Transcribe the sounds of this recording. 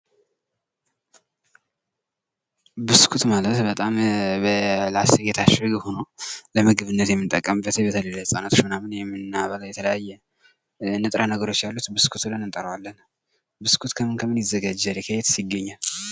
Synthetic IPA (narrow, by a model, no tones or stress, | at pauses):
bɨskʰut̪malət̪bət̪ʼaməlaseɡet̪ʰaʃɨɡho̞noləməɡɨβɨnːət̪jɛmːɨnt̪ʼəkʼːəmbət̪ʰebət̪ʰəlelːəsʼanat̪ʰot͡ʃmɨnamɨnjɛmːɨnːaβələjɛt̪ʰələjajːɛ | ɨnːɨt̪ʼɾʔanəɡəɾo̞t͡ʃːjalːut̪bɨskʰut̪blənɨnt̪ʼəɾəwalːən | bɨskʰut̪kʰəmɨnkʰəmːɨnjɪzːəɡad͡ʒːɛɾɛkʰəjɛt̪sjɪɡəɲːal